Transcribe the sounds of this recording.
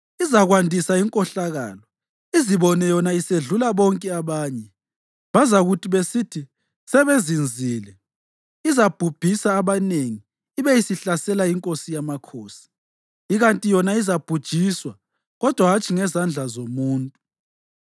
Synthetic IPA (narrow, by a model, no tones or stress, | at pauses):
izaɣwandʱisaiŋkʼɔɬaɣa̰ːlɔ | iziβɔnɛjɔnaiseɮulaβɔŋkʼɛaβaːɲɛ | βazauɣutʰiβesitʰi | sɛβezind͡zʱiːlɛ | izab̥ʱub̥ʱisaːβaneŋiː | βeisiɬasɛlaiŋkʼosijamakʰoːsi̥ | iɣantʼijɔnaizab̥ʱud̥ʒ̥ʱiswa | ɣɔd̥ʱwaɦat͡ʃʰʼiŋɛzand͡ɮʱazomuːntʼu